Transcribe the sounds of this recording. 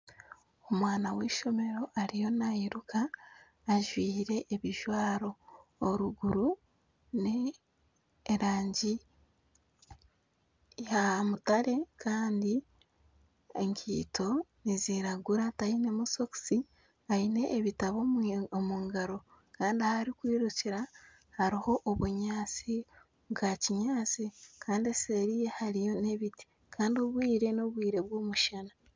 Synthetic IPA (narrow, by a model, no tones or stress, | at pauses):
o̞mwaːnaweːʃo̞me̞ɾo̞ʔaɾijo̞naiɾukʰaː | ʒwiːɾe̞ʔeβiʒwaːɾo̞ːɾuɡuɾu | ne | ɾaːɲɟi | jamutaɾe̞kʰaːndi | eŋkʰḭːtʰo̞niziɾaɡuɾatainemuso̞ksi | aine̞ʔːβitaβoomuŋɡaɾo̞kaːndiahaɾikwiːɾuciɾa | haɾiho̞ʔoβuɲaːt͡si | βwaciɲaːt͡sikʰaːndiese̞ɾije̞haɾijo̞ne̞βiti̥ | kʰaːndio̞βwiːɾe̞noβwiːɾe̞βwo̞ːmuʃana